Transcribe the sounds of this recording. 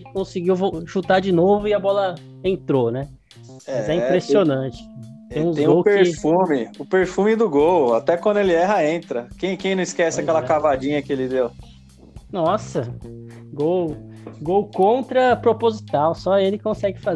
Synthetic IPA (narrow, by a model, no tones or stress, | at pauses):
kõsɪɡiwvoʃut̪ad͡ʒɪnovʊɪɐbɔlɐ | ẽt̪ɾonɛ | ɛmazɛĩpɾesionɐ̃t͡ʃɪ̥ | t̪ẽj̃ũzẽj̃ɡoweɾfũmɪʊpeɾfũmɪd̪ʊɡowat̪ɛkwɐ̃nd̪ʊelɪɛɦɐẽnt̪ɾɐkẽj̃kẽj̃nɐ̃w̃ɪskɛsɪɪakɛlɐkavad͡ʒĩɲɐkɪelɪd̪ew | nɔsɐ | ɡowɡowkõnt̪ɾɐpɾopozit̪awsɔelɪkõsɛɡɪfa